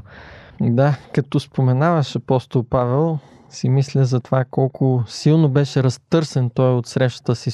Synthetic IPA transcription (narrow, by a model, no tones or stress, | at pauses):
d̪akɐt̪ɔspomɛnavɐʃɐpɔst̪olˠpavɛlˠ | simislʲəzɐt̪ovakɔlˠkʊsilˠnobɛʃɛɾɐst̪ɤɾsɛnt̪ɔjot̪sɾɛʃt̪ə̥t̪əsi